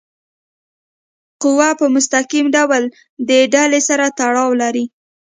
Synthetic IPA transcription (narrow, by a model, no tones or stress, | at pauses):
qʊwapəmʊst̪aqimɖawl | d̪əɖalesaɾat̪aɽɑwlaɾi